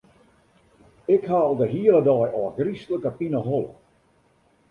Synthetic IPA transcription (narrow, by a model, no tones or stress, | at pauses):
ɪkhaːlˠdəɦiələdɔːjɔəɡristələkəpinəɦɔlˠə̰